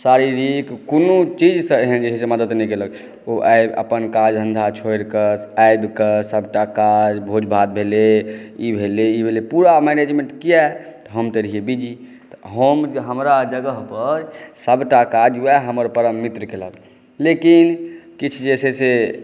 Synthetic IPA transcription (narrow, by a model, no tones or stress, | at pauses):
saɾiɾikkonot͡ʃid͡ʒsə̃eɦənd͡ʒesseməd̪ət̪nɛikelək | oʔajbə̰pənkad͡ʒɦə̃nd̪ʱat͡ʃʰoeɾkəsajbkəsəbʈakad͡ʒbʱod͡ʒbʱat̪̚bʱeleibʱeleibʱelepuɾamɛned͡ʒmẽɳʈkijɛt̪ɔɦəmt̪əɾiebid͡ʒi | t̪ɔɦəmɦəmɾad͡ʒəɡəɦpəɾsəbʈakad͡ʒuɛɦəməɾpəɾəmːit̪ɾkelək | lekinkit͡ʃʰd͡ʒesese